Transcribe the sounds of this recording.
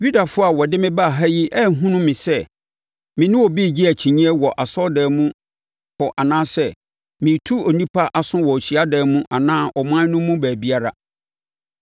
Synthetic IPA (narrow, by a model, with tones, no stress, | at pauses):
ju˦da˨fʊ˦a˨wɔ˨dɪ˦mɪ̃˦ba˦˨ɦa˦ji˦ʔɛ˦˨ɦũ˦nʊ̃˦mɪ̃˨sɛ˦˨ | mɪ̃˨nʊ̃˦wɔ˨bi˦˨d͡ʑi˦æ˨t͡ɕʰĩ˨ɲĩ˦ɛ˦wɔ˨ʔa˨sɔ˦dɛː˨mũ˦ | hɔ˨ʔa˨nãː˦sɛ˦ | mĩ˨tʰu˦ɔ˨nĩ˦pʰa˦ʔa˨sʊ̃˦wɔ˨ɕi˨a˦dɛː˨˦mũ˦ʔa˨nãː˦ʔɔ˨mã˦nʊ̃˦mːũ˦bæː˨bi˦a˦ɾa̰˨